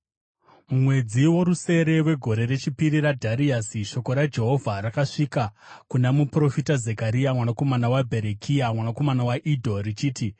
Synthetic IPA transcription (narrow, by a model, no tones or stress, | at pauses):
mumwe̞d͡ziwo̞ɾuse̞ɾe̞we̞ɡʱo̞ɾe̞ɾe̞t͡ʃipiɾiɾadʱaɾiasiʃo̞ko̞ɾad͡ʒe̞ɦo̞vʱaɾakaʂikakunamupro̞fitaze̞kaɾiamwanako̞manawabʱe̞ɾekʰiamwanako̞manawaʔidʱo̞rit͡ʃiːti